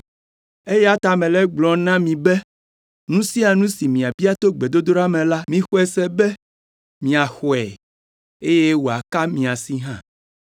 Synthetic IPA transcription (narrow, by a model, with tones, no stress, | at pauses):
e˦jɛ˦a˦t̪a˨mẽ˨lɛ˦ɡ͡blɔ˨nã˦mĩ˨be˦ | nũ˦si˦a˨nũ˦si˨mĩ˨a˨bi˦a˦t̪o˦ɡ͡be˨d̪o˦d̪o˦ɾa˦mẽ˨la˦mĩ˦xo˦ɛ˦sɛ˦be˦ | mĩ˨a˨xɔ˨ɛ˨ | e˦je˦wo˨a˨ka˦mĩ˨a˨si˦ɦã˦˨